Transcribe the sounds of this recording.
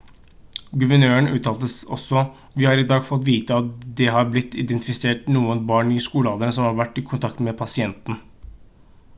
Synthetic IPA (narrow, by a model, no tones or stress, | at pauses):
ɡʉʋəɳøːəɳʉːt̪ʰɑːlt̪əsɔ̰sːɔ | ʋɪhɑːɾɪd̪ɑːɡfɔt̪ːʋiːt̪əɑt̪d̪ɛɦɑɾblɪt̪ːɪd̪ɛnt̪ɪfɪseːʈnuːənbɑːɳɪskuːlɑːd̪ənəsɔmhɑɾʋæʈːɪkʰʊnt̪ʰɑk̚t̪mɛpʰɑsɪɛnt̪n̩